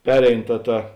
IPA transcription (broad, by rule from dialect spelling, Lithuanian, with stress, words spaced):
ˈpʲæːrʲɛɪn ˈtɐ ˈtɐ